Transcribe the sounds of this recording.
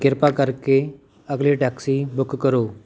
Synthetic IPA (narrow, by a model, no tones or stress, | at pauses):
keɾpakaɾke | əɡliʈaksibəkkəɾo